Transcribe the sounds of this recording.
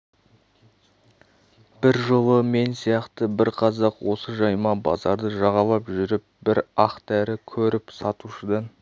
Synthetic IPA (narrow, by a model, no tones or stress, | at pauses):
b̥ɪɾʒolˠəme̞nsijɑqt̪əbɪɾqʰɑzɑqwo̞səʒɑjmɑbɑ̰zɑɾd̪əʒɑʁɑlˠɑpʒʏɾɪp̚bɪɾɑqt̪æɾɪkʲʰɵɾɪpsɑt̪uʃəd̪ɑn